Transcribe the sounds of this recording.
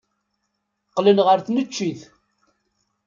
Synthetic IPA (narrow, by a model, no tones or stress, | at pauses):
qlənʁəɾθnət͡ʃːiθ